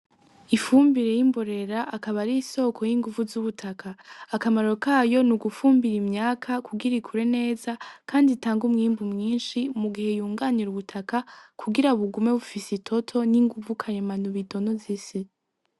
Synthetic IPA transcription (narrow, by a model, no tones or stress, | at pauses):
ifuːmbiɾe̞jimbo̞ɾe̞ɾaʔakaβaɾiːso̞ːkʰo̞jiŋɡuvuzuβutʰakʰaːkamaɾo̞kajo̞nuɡufuːmbiɾimɲaːkʰakʰuɡiɾikʰuɾe̞ne̞ːzakʰaːnditaːŋɡumŋiːmbumŋiːnʃimuɡihe̞juːŋɡaniɾuβutʰakakʰuɡiɾauβuɡume̞βufisitʰo̞tʰo̞niŋɡuvukʰaɾemanuβito̞nozise